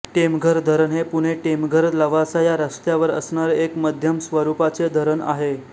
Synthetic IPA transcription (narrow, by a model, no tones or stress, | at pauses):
ʈemɡʱəɾd̪ʱəɾəɳɦepuɽ̤̃eʈemɡʱəɾləʋasajaɾəst̪jaʋəɾə̰sɳaɾekməd̪ʱjəmsʋəɾupat͡sed̪ʱəɾəɳa̰ɦe